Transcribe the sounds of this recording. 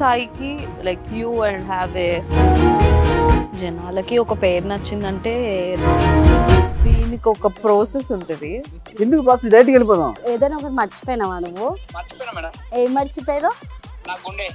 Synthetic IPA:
t̪aːjikilɐjkʰjuːɐɳɖɦæːʋe | d͡ʒɛnaːlɐkiɔkɐpeːɾnɐt͡ʃːind̪ɐɳʈe̞ː | d̪iːnikiɔkɐpɾoːsesuɳʈund̪i | end̪ukupɾaːsesd̪ɐjʈ̬kelip̬oːt̪aeːd̪ɐnɔkɐɾmɐɾt͡ʃi̥poːjnaʋaːnɐʋot͡ʃemɐɾt͡ʃipeːjɾoːa

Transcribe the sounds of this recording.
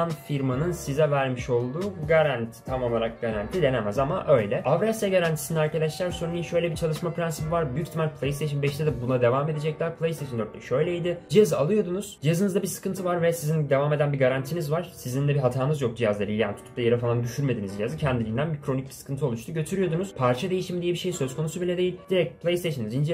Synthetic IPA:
nfiɾmanɯnsizɛvæɾmiʃo̞lˠd̪uːɡaɾant̪ʰt̪ʰamo̞lˠaɾak̚ɡaɾant̪ʰid̪e̞nemæzamaʔø̞jlʲɛavɾasɛɟaɾant̪ʰi̥siniæɾkad̪aʃlʲˠaɾsoɾunijʃø̞jlʲɛbit͡ʃʰalˠɯʃmapʰɾænsipivaɾbyyct̪ʰimælʲpʰlˠejst̪eʃɯnbɛʃt̪ɛd̪ɛbunad̪e̞vaːme̞d̪ed͡ʒɛc̚lʲæɾpʰlˠejst̪ʰeʃnd̪øɾt̪lʲɛʃø̞jlʲeid̪ɪd͡ʒijazɯalˠɯjo̞d̪unuz̥d͡ʒijazɯnɯzd̪abisɯ̥kɯnt̪ʰɯvaɾvɛsizind̪e̞vaːme̞d̪ænbiɡaɾant̪ʰinizvaɾ̥sizind̪ɛbiɦat̪ʰaːnɯzjok̚d͡ʒijazlˠaɾilʲja̰nit̪ʰu̥t̪up̚d̪jeɾɛfalˠand̪yʃyɾme̞d̪inizd͡ʒijazɯcʰɛnd̪ilʲijnd̪ænbikʰɾo̞ic̚bi̥sɯ̥kʰɯnt̪ʰɯo̞lˠuʃt͡ʃt̪uɟø̞t̪ʰyɾyjo̞d̪unuz̥pʰaɾt͡ʃʰad̪e̞jiʃimd̪ijɛbiʃe̞jsø̞zkʰo̞nusubilʲɛd̪ejilʲd̪iɾɛc̚t̪pʰlˠejst̪eʃɯnizind͡ʒɛ

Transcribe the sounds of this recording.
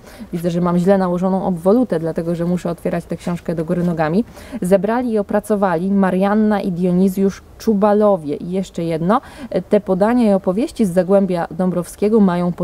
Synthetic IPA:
vʲid̪zɛʐɛmamʑlɛnawɔʐɔnɔ̃w̃ɔbvɔlut̪ɛd̪lat̪ɛɡɔʐɛmuʂɛɔt̪fʲjɛɾat͡ɕt̪ɛkɕɔ̃w̃ʂkɛd̪ɔɡuɾɘnɔɡamʲizɛbɾalʲiːɔpɾat̪sɔvalʲimaɾjanːaʔid̪jɔɲizʲjuʂ | t͡ʂubalɔvʲjɛʔijɛʂt͡ʂɛjɛd̪nɔt̪ɛpɔd̪aɲaiɔpɔvʲjeɕt͡ɕizːaɡwɛmbʲjad̪ɔmbɾɔfskʲɛɡɔmajɔ̃w̃p

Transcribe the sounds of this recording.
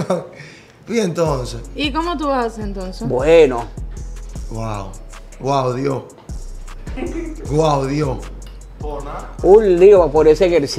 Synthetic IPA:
a | fient̪onseikomot̪uβasent̪onsebweno | ɡwaw | ɡwawðjo | ɡwawðjo | unliopapoɾeseŋeɾs

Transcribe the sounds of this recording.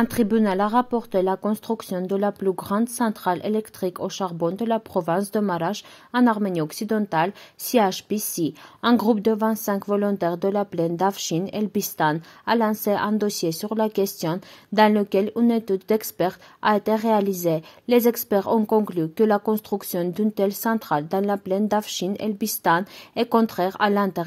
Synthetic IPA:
ɛ̃t̪χibynalaʁapɔʁt̪elakɔ̃st̪χyksjɔ̃d̪əlaplyɡʁɑ̃d̪sɑ̃t̪χalʔḛlɛkt̪χikoʃaʁbɔ̃d̪əlapχɔvɛ̃sd̪əmaʁaʒ | ɑ̃naʁmeniɔksid̪ɑ̃t̪alsiaʃpisiɛ̃ɡʁupd̪əvɛ̃nt̪sɛ̃ŋkvɔlɔ̃t̪ɛʁd̪əlaplɛnd̪afʃinɛ̰lbist̪analɑ̃seʔɛ̃d̪ɔsjesyʁlakʲɛst̪jɔ̃d̪ɑ̃ləkʲɛlynet̪yd̪ːɛkspɛʁt̪a̰et̪eʁealizelezɛkspɛʁɔ̃kɔ̃klykəlakɔ̃st̪χyksjɔ̃d̪ynt̪ɛlsɑ̃t̪χald̪ɑ̃laplɛnd̪afʃinɛ̰lbist̪ãnɛkɔ̃t̪χɛʁa̰lɛ̃t̪ɛʁ

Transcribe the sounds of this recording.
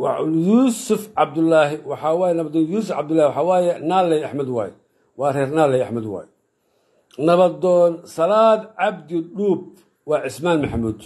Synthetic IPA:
wɑʕʊljuːsʊfʕɑb̚d̪ʊlːaːɦɪwɑħɑːwaːjɛnɐβɐd̪ɔːnjuːsʊfʕɑ̰b̚d̪ʊlːaːhwɑħɑːwaːjɛnaːlːɛjaħmɐd̪wa̰ːjɛ | wɑːrɛːrnaːlɛjaħmɐd̪wɑ̰ːjɛ | nɐβɐd̪ɔːnsɐlaːd̪ʕɑb̚d̪ɪɗuːb̚ | wɑːʕɪsmaːnmɐħamuːd̪

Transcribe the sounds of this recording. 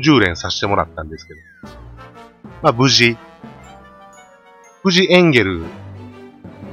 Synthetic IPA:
ʑɨːɾẽ̞ɰ̃saɕi̥t̪e̞mo̞ɾa̰t̪ːãnd̪e̞sɨ̥ke̞d̪o̞ | mabɯ̟ʑi | b̥ɯ̟ʑiʔẽ̞ŋɡe̞ɾɯ̟

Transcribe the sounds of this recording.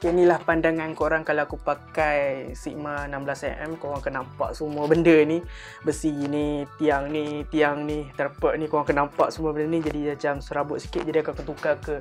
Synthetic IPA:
kənilahpandaŋankoɾaŋkalawakupakajsiʔmanamblasɛ̰ʔɛmkoɾaŋkənampa̰ʔ̚səmuəbəndəni | bəsinit̪iaŋnit̪iaŋnit̪aɾapəʔnikoɾaŋkənampa̰ʔsəmuəbəndənid͡ʒadiat͡ʃamsəɾabʊt̪si̥kɪt̪̚d͡ʒadiakuakant̪ukakə

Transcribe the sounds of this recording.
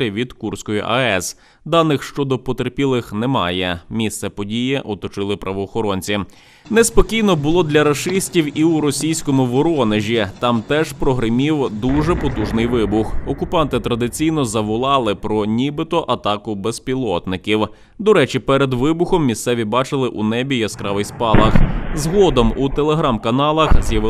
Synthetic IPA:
ɐʋʲid̪kursʲkɔjʊ̰ʔɐɛs | d̪ɑnɪxʃt͡ʃɔd̪ɔpɔt̪erpʲilˠɪxnɛmɑ̰jɛmʲist̪sɛpɔdʲijɛʔɔt̪ɔt͡ʃɪlˠɪpɾʔɐʋɔːxɔɾɔnʲt͡sʲi | nɛspɔkʲijnɔbʊlˠɔd̪lʲɐɾɐʃɪsʲtʲiwiʊɾɔsʲijsʲkɔmʊʋɔɾɔneʒʲit̪ɑmt̪ɛʒpɾɔɦɾɪmʲiwd̪uʒɛpɔt̪uʒnɪjʋɪbʊxɔkʊpɑnt̪ɪt̪ɾɐd̪ɪt͡sʲijnɔzɐʋʊlˠɑlˠɪpɾɔnʲibɪt̪ɔʔɐt̪ɑkʊbespʲilˠɔt̪nɪkʲiw | d̪ɔɾɛt͡ʃʲipɛɾed̪ʋɪbʊxɔmːʲist̪sɛʋʲibɑt͡ʃɪlˠɪʔunɛbʲijɐskɾɑʋɪjspɑlˠɐxzɦɔd̪ɔmut̪elˠeɦɾɑmkɐnɑlˠɐxzʲjɐʋɪ

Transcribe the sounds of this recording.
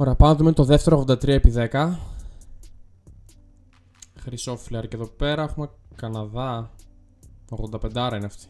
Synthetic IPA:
oɾe̞ɐpɐnðumint̪oðeft̪eɾoɣðod̪ɐt̪ɾiɐepiðekɐ | xɾiso̞filɐɾce̞ðo̞pe̞ɾɐexumekɐnɐðɐ | oɣðo̞nd̪ɐpe̞nd̪ɐoɾɐineɐft̪i̥

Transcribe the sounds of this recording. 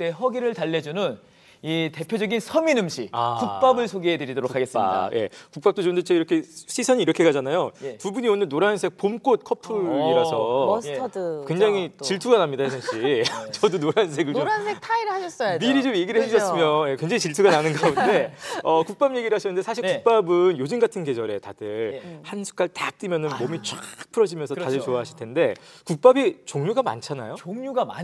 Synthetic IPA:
t͈e̞ɦʌɡiɾɯɭtaɭːed͡ʑunɯn | ite̞pʰjod͡ʑʌɡinsʰʌminɯmɕʰia̰kuk̚p͈abɯɭsʰoɡeedɯɾidoɾokʰːaɡe̞s͈a̰d̰je̞̰kuk̚p͈ap̚t͈ot͡ɕondet͡ɕʰeiɾʌkʰe̞ɕ͈ʰisʰʌɲiɾʌkʰe̞ɡad͡ʑanajotubuɲionɯnnoɾansʰek̚pomk͈ot̚kʰʌpʰɯiɾasʰʌdkkweŋd͡ʑaŋit͡ɕiɭtʰuɡanamɲidaesʰeŋɕit͡ɕʌdonoɾans̬ʰe̞ɡɯɭoɾansʰetʰaiɾɯɭɦaɕʰʌs͈ʌjmiɾit͡ɕomje̞ɡiɾɭheɕʰiɕʰʌs͈ɯmjoje̞kwe̞ŋd͡ʑaŋit͡ɕiɭtʰuɡananɯnɡaunde̞ʌkuk̚p͈amje̞ɡiɾɯɭɦaɕʰʌnːɯndesʰaɕʰiɭkuk̚p͈abɯnjod͡ʑinɡatʰɯnɡe̞d͡ʑʌɾe̞tad̥ɯɭhansʰu̥k͈aɭtat͈imjʌnɯnmomit͡ɕ͈ak̚pʰɯɾʌd͡ʑimjʌnsʰʌtadɯɭt͡ɕoaɦaɕʰiɭtʰende̞kuk̚p͈abit͡ɕoŋɲuɡama̰nt͡ɕʰana̰joŋɲuɡama̰

